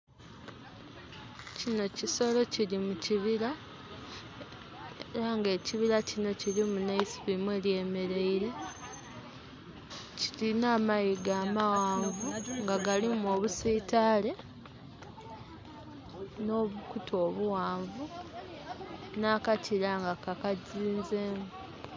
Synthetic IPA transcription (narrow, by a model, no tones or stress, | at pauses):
cino̞ciso̞lo̞cilimuciβila | eɾaŋɡe̞ːciβilacino̞cilimunaispimweːlje̞ːme̞ɾe̞iɾe̞ | ci̥ɾinaːmajiɡaːmawaːɱvuŋɡaɡalimoːβusiːtaːle̞ | no̞ːβukutʰo̞ːβuwaːɱvu | naːkatʰiɾaŋɡakakaziːnze̞ːmu